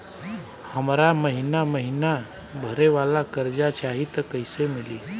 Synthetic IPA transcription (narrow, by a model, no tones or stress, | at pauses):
həmɾaməɦinaməɦina | bʱəɾeʋalakəɾd͡ʒat͡ʃaɦit̪əkəɦɪsemili